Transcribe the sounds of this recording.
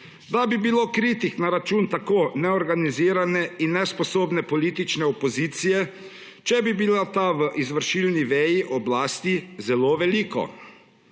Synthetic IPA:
d̪abibiloːkɾiːt̪iknaɾat͡ʃuːnt̪akoːnɛɔɾɡaniziːɾanɛinːɛspɔsoːbnɛpɔliːt̪it͡ʃnɛɔpɔziːt̪sijɛ | t͡ʃɛbibilat̪aʋəʔizʋəɾʃilniʋɛjiʔɔblaːst̪izɛloːʋɛliːkɔ̰

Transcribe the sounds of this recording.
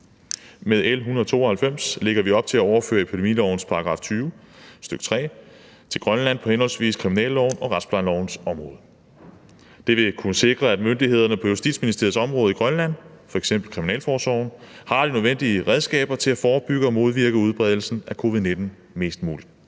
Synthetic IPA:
með̞ˠelɦunɐð̞ˠt͡sʰo̝̰ːɒhælfem̰sle̝ɡ̥ɐʋiɒ̽b̥̚t͡sʰe̝læɒʊɐfø̰ːɐe̝pʰid̥e̝mḭlɒʊ̰n̩spʰɑ̈ɡ̥ʁɑ̈ːft͡sʰyːʊ | sd̥øɡ̥t͡sʰʁɛ̰ː | t͡sʰe̝lɡ̥ʁɶnlæn̰pʰɒ̽henhɒ̽l̰sʋḭːskʰʁiminɛ̰ːllɒʊnɒ̽ʁɑsb̥lɑnlɒʊn̩sɒ̽mʁɔːðˠ | d̥e̝ʋe̝kʰunəse̝ɡ̥ʁɐæd̥mønd̥ihe̝ð̞̰ˠɐnəpʰɒ̽jusd̥ḭd̥sminisd̥e̝ɐð̩ˠsɒ̽mʁɔ̽ːð̩ˠiɡ̥ʁɶnlæn̰fɒ̽eɡ̥sem̰b̥l̩kʰʁiminɛ̰ːlfɒːsɒʊn̩hɑ̈ɾ̥inøðˠen̰d̥iəʁɛð̞ˠsɡ̥ɛ̰ːb̥ɐt͡sʰe̝læfɒːb̥yɡ̥əɒ̽mo̝ð̞ˠʋiɐɡ̥əuðˠb̥ʁɛð̞ˠl̩sn̩ʔækʰo̝ːʋið̞̩ˠne̝d̥n̩ | me̝̰ːsd̥mṵːlid̥

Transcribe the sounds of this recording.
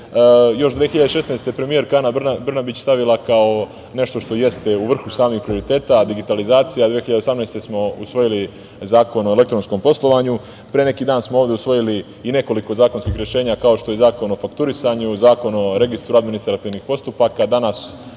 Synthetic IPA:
jo̞ʃd̪ʋexiʎad̪eʃe̞snajst̪e̞pɾe̞mije̞ɾkaːnabnabrnabit͡ɕst̪aʋilˠakao̞ | ne̞ʃt̪o̞ʃt̪o̞je̞st̪e̞uʋr̩xusaːmixpɾio̞ɾit̪e̞ːt̪ad̪iɡit̪alizaːt̪sijad̪ʋeexiʎad̪osamnejst̪e̞smo̞usʋo̞jili | zaːko̞no̞ele̞k̚t̪ɾo̞nsko̞mpo̞slˠo̞ʋaɲu | pɾeene̞kiːd̪aːnsmooːʋd̪eusʋo̞jili | ine̞ko̞liko̞zaːkonskiːxɾje̞ʃe̞ːɲakao̞ʃt̪o̞jezaːko̞no̞fakt̪uɾisaɲuzaːko̞no̞ɾe̞ɡist̪ɾuad̪minist̪ɾat̪iʋnixpo̞st̪upakad̪anas

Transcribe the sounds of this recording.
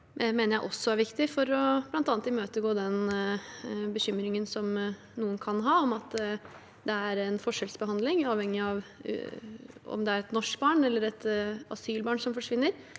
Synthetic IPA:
meːnəɾjæɪʔɔsːɔæɾʋɪkt̪ɪfɔɾɔb̥lɑnt̪ɑːnt̪ɪmøːt̪əɡoːd̪ɛn | bəçʏmɾɪŋənsɔm | nuːənkʰɑnɦɑːɔmɑt̪ | d̪ɛæɾɛnfɔʂɛlsbəɦɑnd̪lɪŋɑːʋhɛŋːɪɑʋ̰ | ɔ̰md̪ɛæɾɛt̪nɔʂkbɑːɳɛlːəɾɛt̪ɑ̰syːlbɑːɳsɔmfɔʂʋɪnːəɾ

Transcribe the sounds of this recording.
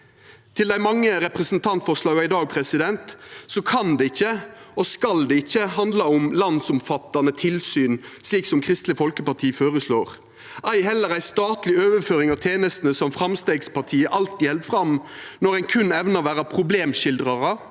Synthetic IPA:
t̪ʰɪld̪æɪmɑŋːəɾɛpʁɛsnt̪ʰɑnt̪fɔʂlɑːɡæɪd̪ɑːɡ̚pʰɾɛsɪd̪ɛnt̪sɔkʰɑnd̪ɛɪçːəɔskɑld̪ɛɪçːəhɑnd̪lɑʊmlɑnsʊmfɑt̪ːɑnət̪ʰɪlsyːnsliːksɔmkʰʁɪst̪lɪfɔlkəpɑt̪ʰiːfoːʁəsloːʁ | ʔæɪhɛlːəɾæɪst̪ɑːt̪lɪøːʋəføːɾɪŋɑʋt̪ʰjeːnəst̪nəsɔmfɾɑmst̪eːɡspʰɑt̪ʰiːəʔɑlt̪iːhɛld̪fʁɑmnɔɾæɪnkʰʉnɛʋnɑʋæːɾəpʰʁʊbleːmʃɪld̪ʁɑʁə

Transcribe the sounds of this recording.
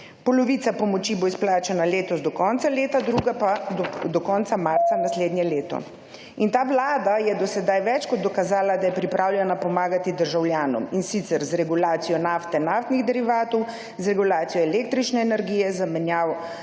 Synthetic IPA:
pɔlɔʋit̪sapɔmɔt͡ʃiboisplaːt͡ʃanaleːt̪ɔzd̪ɔkɔnt̪saleːt̪ad̪ɾuːɡapad̪ɔkɔnt̪samaɾt̪sanasleːd̪njɛleːt̪ɔ̰ | int̪aːʋlaːd̪ajɛd̪ɔsɛd̪ajʋɛt͡ʃkɔd̪̚d̪ɔkazaːlad̪ajɛpɾipɾʔaːwljɛnapɔmaːɡat̪id̪əɾʒawljaːnɔ̰minsit̪sɛɾzɾɛɡulaːt̪sijɔnaːft̪ɛnaːft̪niɣd̪ɛɾiʋaːt̪ɔw | zɾɛɡulaːt̪sijɔɛleːk̚t̪ɾit͡ʃnɛːnɛɾɡijɛzamɛnjaːw

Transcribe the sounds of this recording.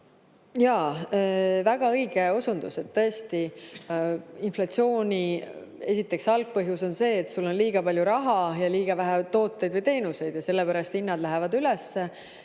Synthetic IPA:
jɑː | væɡ̥ɑɤjɡeo̞sund̪use̞t̪ːɤest̪i | inflɑt̪sio̞ːnʲie̞sit̪ːˑe̞ksɑlɡ̥̚pɤɦjuso̞nse̞ːt̪ːsulːo̞nliːɡ̥ɑpɑlʲjuɾɑɦɑjɑliːɡ̥ɑvæɦæt̪o̞ːt̪ːˑe̞jd̪vɨjt̪e̞ːnuse̞jd̪̥jɑse̞lːepæɾɑst̪inːɑd̪læɦevɑd̪ylesːe

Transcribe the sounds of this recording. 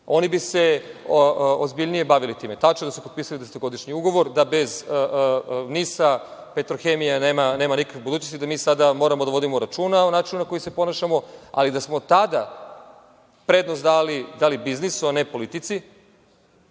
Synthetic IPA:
o̞nibise̞ | ozbiʎnije̞baʋilit̪iːme̞t̪at͡ʃnod̪asupopiːsalid̪ese̥t̪oɡo̞d̪iʃɲiuɡo̞ʋo̞ɾd̪abe̞zənisapet̪ɾoxemijaneːmane̞ːmanikakebud̪uːt͡ɕnost̪id̪amiːsad̪amo̞ːɾamod̪aʋo̞d̪imoɾat͡ʃuːnaonaːt͡ʃinunako̞jisepo̞naʃamo̞a̰lid̪asmo̞t̪ad̪a | pɾe̞d̪nosd̪alid̪alibiznisuane̞po̞lit̪it̪si

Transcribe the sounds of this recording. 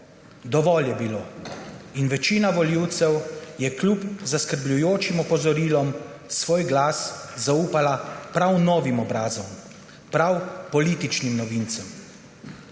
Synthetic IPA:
d̪ɔʋɔːljɛbiloːinʋɛt͡ʃiːnaʋɔliwt̪sɛwjɛklʲupzaskəɾblʲujoːt͡ʃimɔpɔzɔɾiːlɔm | sʋoːjɡlaːszauːpalapɾawnɔːʋimɔbɾaːzɔm | pɾawpɔliːt̪it͡ʃnimnɔʋint̪sɛm

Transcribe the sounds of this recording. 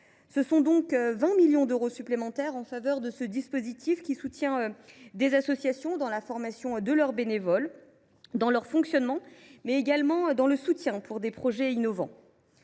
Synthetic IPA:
səsɔ̃d̪ɔ̃kvɛ̃miljɔ̃d̪øʁosyplemɑ̃t̪ɛʁɑ̃favœʁd̪əsəd̪ispozit̪ʰifkʲisut̪jɛ̃ød̪ezasɔsjasjɔ̃d̪ɑ̃lafɔʁmasjɔ̃d̪əlœʁbenevɔl | d̪ɑ̃lœʁfɔ̃ksjɔnmɑ̃mɛeɡalmɑ̃d̪ɑ̃ləsut̪jɛ̃pʰuʁd̪epχɔʒɛinɔvɑ̃

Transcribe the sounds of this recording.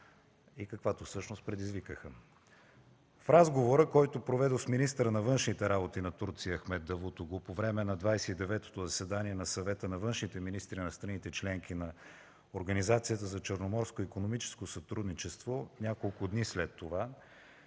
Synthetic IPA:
ikɐkvat̪ofsɤʃnost̪pɾɛd̪izvikəxə | fɾazɡovoɾəkɔjt̪opɾovɛd̪osminist̪əɾənɐvɤnʃnit̪ɛɾabot̪inɐt̪uɾt̪sijəːxmɛd̪̚d̪ɐvut̪ʊɡopovɾɛmɛnɐd̪vajsɛid̪ɛvɛt̪o̥t̪ozɐsɛd̪aniɛnɐsɐvɛt̪ənɐvɤnʃnit̪ɛminist̪ɾinɐst̪ɾɐnit̪ɛt͡ʃlɛŋk̟inɐ | oɾɡənizat̪sijət̪əzɐt͡ʃəɾnomɔɾskoikonomit͡ʃɛ̥skosɐt̪ɾud̪nit͡ʃɛst̪vonʲakolˠkʊd̪nislɛt̪ːova

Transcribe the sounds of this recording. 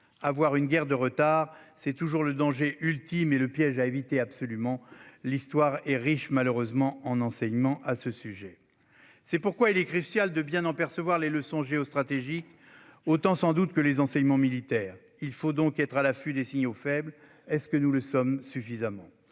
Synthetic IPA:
avwaʁynɡʲɛʁd̪əʁət̪aːʁsɛt̪uʒuʁləd̪ɑ̃ʒeʔylt̪imeləpjɛʒaevit̪eapsɔlymɑ̃list̪waʁɛʁiʃmaløʁøzmɑ̃ɑ̃nɑ̃sɛɲmɑ̃ʔasəsyʒɛ | sɛpuʁkwailɛkχysjald̪əbjɛ̃nɑ̃pɛʁsəvwaʁleləsɔ̃ʒeɔst̪χat̪eʒik | ot̪ɑ̃sɑ̃d̪ut̪kəlezɑ̃sɛɲmɑ̃milit̪ɛːʁ | ilfod̪ɔ̃kɛt̪χalafyd̪esiɲofɛbl | ɛskənuləsɔmsyfizamɑ̃

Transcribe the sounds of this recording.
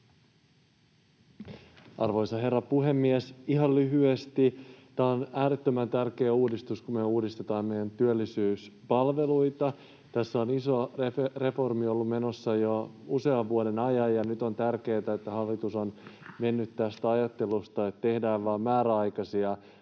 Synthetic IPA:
ɑrʋo̞jsɑɦe̞rːɑpuɦe̞mːiesiɦɑllyɦyest̪it̪æːonæːɾet̪ːømænt̪ærke̞ːuːdist̪uskumeuːdist̪e̞t̪ɑːmmejænt̪yølːisyːspɑlʋe̞luit̪ɑ | t̪æsːæoniso̞reere̞fo̞rmiolːumme̞no̞sːɑjouse̞ɑʋʋuode̞nɑjɑjjɑnyt̪o̞nt̪ærke̞ːt̪æet̪ːæhɑlːit̪uso̞nme̞nːyt̪tːæst̪æɑjɑt̪ːe̞lust̪ɑet̪ːt̪e̞hdæːʋʋɑːmmæːɾæɑjkɑsiɑ

